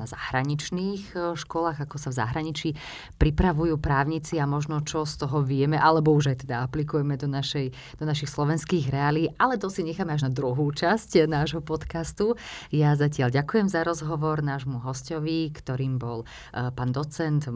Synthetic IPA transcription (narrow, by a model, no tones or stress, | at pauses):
azahɾaɲit͡ʃniːxʃkɔlaːɣakɔsavza̰ɦɾaɲit͡ʃi | pɾipɾaʋujuːpɾaːʊɲit͡siamɔʒnɔt͡ʃɔst̪ɔɦɔʋɪɛmɛʔalɛbɔuʒajt̪ɛd̪aaplikujɛmɛd̪ɔnaʃɛj | d̪ɔnaʃixslɔʋɛnskiːɣɾɛalit̪ʔalɛt̪ɔsiɲɛxaːmɛaʒnad̪ɾuɦuːt͡ʃascnaːʒɦɔpɔt̪kast̪ujazacɪalɟakujɛmzaɾɔzɦɔʋɔɾnaːʒmuɦɔscɔʋikt̪ɔɾiːmbɔl | paːnd̪ɔt͡sɛnt̪